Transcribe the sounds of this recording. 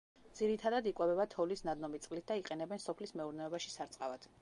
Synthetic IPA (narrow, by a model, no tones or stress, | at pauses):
d̪z̥iɾit̪ʰad̪ad̪ikʼwɛbɛbat̪ʰɔlisnad̪nɔmit̪sʼqʼlit̪̚d̪aiqʼɛnɛbɛnsɔpʰlismɛuɾnɛɔbaʃi̥saɾt̪sʼqʼavad̪̥